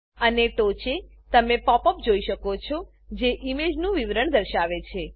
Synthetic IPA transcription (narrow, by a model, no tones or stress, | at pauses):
əneʈot͡ʃe | t̪əmepɔpəp̚d͡ʒoiʃəkot͡ʃʰɔ | d͡ʒeʔimed͡ʒnũʋiʋɾəɳd̪əɾʃaʋet͡ʃʰe